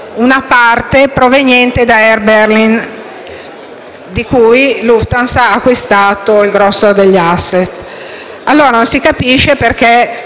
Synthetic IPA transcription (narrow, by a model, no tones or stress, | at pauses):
unapart̪epɾovenjɛnt̪ed̪aɛrberlin | d̪ikujluft̪ansaːkːwist̪aːt̪oilɡɾɔsːod̪eʎːasːet̪ | alːoːɾanonsikapiʃːeperk̟e